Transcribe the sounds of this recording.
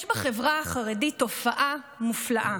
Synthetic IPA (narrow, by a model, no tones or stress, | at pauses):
jʃbaχevʁaːχaʁedito̞faʔa | muflaʔa